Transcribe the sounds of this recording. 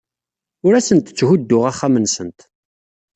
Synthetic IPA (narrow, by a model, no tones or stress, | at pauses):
ʊɾæsənt̪ət͡sːɦʊd̪ːʊʁaχːamənsənt̪